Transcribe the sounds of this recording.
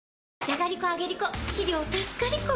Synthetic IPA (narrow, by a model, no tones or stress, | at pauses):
d͡ʑaɡaɾʲikoaɡe̞ɾʲikoɕiɾʲoːt̪asɨ̥kaɾʲiko